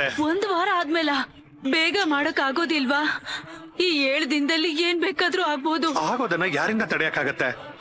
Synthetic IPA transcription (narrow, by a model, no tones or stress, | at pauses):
eond̪ʋaːɾɐaːd̪meːlɐ | beːɡɐmaːɽɐkːaːɡo̞ːd̪ilʋaː | iːeːɭd̪ind̪ɐlːieːnbeːkaːd̪ɾuaːɡ̚boːd̪uaːɡo̞ːd̪ɐnːɐjaːɾind̪ɐt̪ɐɽejɐkːaːɡɐt̪ːe